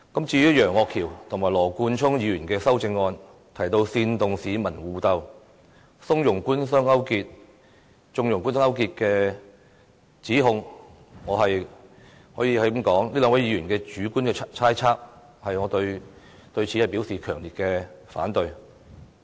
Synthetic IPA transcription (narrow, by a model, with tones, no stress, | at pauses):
kɐ˨˥mt͡siː˧jyː˥jœː˨˩ŋɔː˧kʰiː˨˩wt̪ʰʊ˨˩ŋmaː˨˩lɔː˨˩kuː˧nt͡ʃʰʊ˥ŋjiː˨˧jyː˨˩nkɛː˧sɐ˥wt͡sɪ˧ŋːɔː˧n | t̪ʰɐ˨˩jt̪o˧wsiː˧nt̪ʊ˨ŋsiː˨˧mɐ˨˩nwuː˨˧t̪ɐ˧w | sʊ˥ŋjʊ˨˩ŋkuː˥nsœː˥ŋɐ˥wkiː˧t̚ | t͡ʃʊ˧ŋjʊ˨˩ŋkuː˥nsœː˥ŋɐ˥wkiː˧t̚kɛː˧ | t͡siː˨˥ɦʊ˧ŋ | ŋɔː˨˧ɦɐ˨j | hɔː˨˥jiː˨˧hɐ˨˥ki˨˥mkɔː˨˥ŋliː˥lœː˨˧ŋwɐ˨˥jːiː˨˧ɥyː˨˩nkɛː˧t͡ʃyː˨˥ku˥nkɛː˧t͡sʰaː˥jt͡sʰaː˥k̚ | hɐ˨jŋɔː˨˧t̪ɵ˧ɥ | t̪ɵ˧ɥt͡sʰi˨˥hɐ˨jpi˨˥wsiː˨kʰœː˨˩ŋli˨t̚kɛː˧fa̰ː˨˥nt̪ɵ˧ɥ